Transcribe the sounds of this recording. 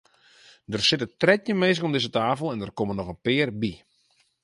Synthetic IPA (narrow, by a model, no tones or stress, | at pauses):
dərsɪtətrɛtjəmeːsɪkɔmdɪzətaːfəlˠɛndərkomənɔxənpɪːrbi